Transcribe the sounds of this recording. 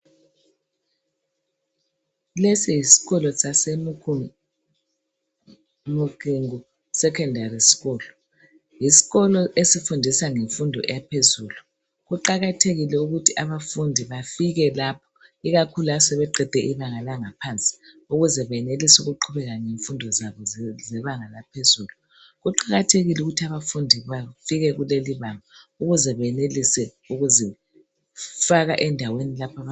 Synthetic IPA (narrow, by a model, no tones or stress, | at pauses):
lesijisi̥ɣɔlɔsasem | muɣiŋu | sɛkʰɛndʱarisi̥ɣɔːlɔ | jisi̥ɣɔlɔʔesifundʱisaŋeɱfundʱɔ̰ʔɛ̰japʰezuːlu | ɣuǃaɣatʰeɣilɛuɣutʰiʔaβafundʱiβafiɣɛlapʰɔ̥ | iɣakʰuluasɛβɛǃɛd̥ʱɛʔiβaŋalaŋapʰant͡sʼi̥ | uɣuzɛβɛɛnelisuɣuǃʰuβɛɣaŋeɱfundʱɔzaβɔzɛβaŋalapʰezuːlu | ɣuǃaɣatʰeɣiluɣutʰiaβafundʱiβafiɣɛɣuleliβaŋa | uɣuzɛβɛɛnelisɛ | uɣuzɛ | faɣaʔɛndʱawenilapʰaβa